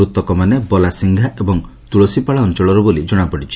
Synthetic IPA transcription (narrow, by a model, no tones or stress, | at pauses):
ut̪ɔkɔmanebɔlasiŋɡʱaʔebɔŋ | t̪uɭɔsipaɭaɔnt͡ʃɔɭɔɾɔbolid͡ʒɔɽ̃apɔɽit͡ʃʰi̥